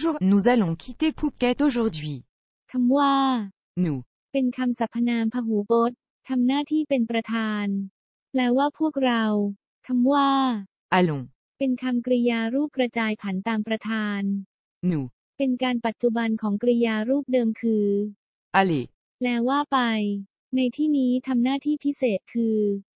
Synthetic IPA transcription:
ʒuː˥˩ʁnu˨˦za˧lɔ̃˨˧kʰi˦t̪e˥˩pʰuː˥˩p̚kɛː˦t̪o˧ʒu˧ʁd̪wi˧˦ | kʰa˧mwaː˥˩ | nu˨ | pe˧nkʰa˧msa˨˩pʰːa˧naː˧mpʰa˧ɦuː˩˦bo˦˥t̪̚ | t̪ʰa˧mnaː˥˩t̪ʰiː˥˩pe˧npɾa˧t̪ʰaː˧n | lɛ˦˥waː˥˩pʰu˥˩ək̚ɾa˧w | kʰa˧mwaː˥˩ | ʔa˧lɔ̃˨ | pe˧nkʰa˧mkɾi˧jaː˧ɾuː˥˩p̚kɾa˧t͡ɕaː˧jpʰa˩˦nt̪aː˧mpɾa˧t̪ʰaː˧n | nuː˨˩˦ | pe˧nkaː˧npa˨˩t̪̚t͡ɕu˨˩ba˧nkʰɔː˩˦ŋkɾi˧jaː˧ɾuː˥˩p̚dɤː˧mkʰɯː˧ | ʔa˧li˨˩ | lɛː˦˥wwaː˥˩pa˧j | na˧jt̪ʰiː˥˩niː˦˥t̪ʰa˧mnaː˥˩t̪ʰiː˥˩pʰi˦˥seː˨˩t̪̚kʰɯː˧

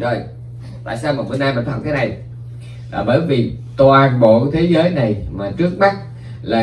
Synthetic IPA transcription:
zo˨˩j | t̪a̰ː˧˨jsaː˧wmaː˨˩mɨ˨˩ənaː˧jmə˨˩n̟f̚k̪ʰːaː˨˦na˨˩j | vaː˨˩ɓəː˧˩jvi˨˩ | t̪waː˨˩nɓo̰˧˨t̪ʰe˨˦zəː˨˦jna˨˩jmaː˨˩t͡ɕɨ˦˥ək̚ɓa˦˥t̚ | laː˨˩

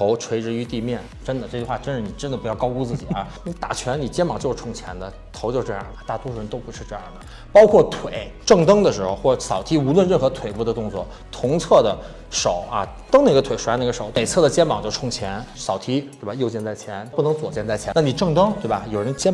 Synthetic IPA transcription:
t̪ʰo˧˥ʊʈ͡ʂʰwe˧˥ɪʈ͡ʂɻ̩˧y˧˥t̪i˥˧mjɛ˥˩nʈ͡ʂə˥nd̪ə˨ʈ͡ʂɤ˥˧˩t͡ɕy˥˧xwa˥˩ʈ͡ʂə˥nʂɻ̩˥˩ni˨˩ʈ͡ʂə˥nd̪ə˨pu˧˥jɑ˥˩ʊkɑ˥ʊku˥t͡sɹ̩˥˩t͡ɕḭ˨˩ə̰˞˧˥ni˧˥t̪a̰˨˩t͡ɕʰɥɛ˧˥nni˨˩t͡ɕjɛ˥nmɑ˨˩ŋt͡ɕo˥˧ʂɻ̩ʰ˥˧˩ʊ˥ŋt͡ɕʰjɛ̰˧˥nd̪ə˧ | t̪ʰo˧˥ʊt͡ɕjo˥˧ʊ˥ʈ͡ʂɤ˥˧jɑ̰˥˩d̪ə˨˩t̪a˥˩t̪wɔ˥ʂɻə˧˥nt̪o˥ʊpu˧˥ʂɻ̩˥˧ʈ͡ʂɤ˥˧jɑ̰˥˩d̪ə˩ | pɑ˥ʊkʰwɔ˥˩t̪ʰwe˨˩˦ɪʈ͡ʂɤ˥˩ŋt̪ɤ˥ŋd̪ə˨ʂɻ̩˧˥xo˧ʊxwɔ˥˩˧sɑ˨˩ʊt̪ʰi˥u˧˥lwə˥˧nɻə˥˩nxɤ˧˥t̪ʰwe˨˩ɪpu˥˩d̪ə˧t̪ʊ˥˧ŋt͡swɔ̰˥˩ | t̪ʰʊ˧˥ŋt͡sʰɤ˥˩d̪ə˩ | ʂo˨˩˦ʊɐ̰˧ | t̪ɤ˥ŋna˥˩ɡə˩t̪ʰwe˨˩ɪ˧˥na˥˩ɡə˧ʂo˨˩˦ʊt̪me˨˩ɪt͡sʰɤ˥˩d̪ə˩t͡ɕjɛ˥nmɑ˨˩ŋt͡ɕjo˥˩ʊʈ͡ʂʰʊ˥ŋt͡ɕʰjɛ˧˥nsɑ˨˩ʊt̪ʰi˥t̪wba˩jo˥˧ʊt͡ɕjɛ˥˧nt͡sa˥˩ɪt͡ɕʰjɛ˧˥npu˥˩nɤ˧˥ŋt͡swɔ˨˩t͡ɕjɛ˥˧nt͡sa˥˩ɪt͡ɕʰjɛ˧˥na˥˩ni˨˩ʈ͡ʂɤ˥˧ŋt̪ɤ˥ŋt̪we˥˩ɪbɐ˨˩jo˨˩ʊɻə˧˥nt͡ɕjɛ˥

